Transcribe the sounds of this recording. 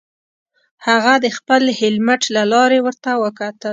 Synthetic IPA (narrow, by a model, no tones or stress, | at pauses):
haɣad̪əxpəlhɪlmaʈlalɑɾewəɾt̪awəkat̪əl